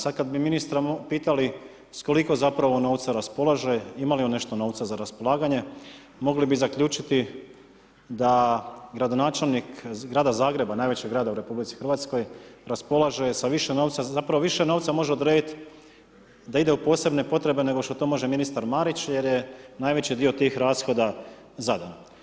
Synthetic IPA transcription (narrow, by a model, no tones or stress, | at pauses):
sad̪̚kad̪biminist̪ɾaopiːt̪ali | sko̞liko̞zapɾaʋo̞no̞ːwt̪saɾaspo̞lˠaʒe̞imalione̞ʃt̪o̞no̞ːʋt̪sazaɾaspo̞lˠaːɡaɲe̞ | mo̞ɡlibizakʎʲuːt͡ʃit̪i | d̪aɡɾad̪o̞naːt͡ʃe̞lˠnikɡɾaːd̪azaːɡɾe̞banaːjʋe̞t͡ɕeɡɾaːd̪auɾe̞publit̪si̥xɾʋat̪sko̞jɾaspo̞lˠaʒe̞saʋiʃeno̞ːʋt̪sazapɾaʋoʋiʃenoʋt̪samo̞ʒeod̪ɾeːd̪it̪ | d̪aid̪eupo̞ːse̞bnepo̞t̪ɾe̞bene̞ɡo̞ʃt̪ot̪o̞mo̞ʒeminist̪aɾmaːɾit͡ɕje̞ɾjenajʋe̞t͡ɕid̪io̞t̪iːxɾaːsxo̞d̪a | zad̪an